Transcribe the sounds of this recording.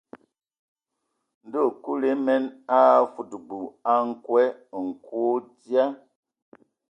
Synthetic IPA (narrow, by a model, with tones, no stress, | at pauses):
n̩˨do˦˨ku˦le˨˦mɛ˦na˦˨fu˨dbu˨a˦ŋ̩˦˨kwɛ˦˨ŋ̩˨kwo˦dja˦